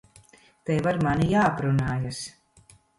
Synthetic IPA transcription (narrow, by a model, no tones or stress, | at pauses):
t̪ɛjvaɾmanijaːpɾunaːjas